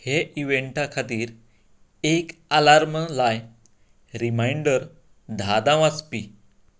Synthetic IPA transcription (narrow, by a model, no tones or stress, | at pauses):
heʔiʋeɳʈakʰat̪iːɾ | ekalaɾməlaj | ɾimajɳɖəɾ | d̪ʱad̪ãʋaspiː